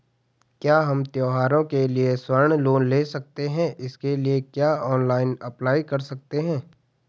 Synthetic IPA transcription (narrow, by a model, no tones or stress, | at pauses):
kjaːɦɐmt̪joːɦaːɾõkelieswɐɾɳ̃loːnleːsɐk̚t̪eɦɛ̃ʔɪskeliekjaːɔːnlaːɪnɐplaːikɐɾsɐk̚t̪eɦɛ̃ː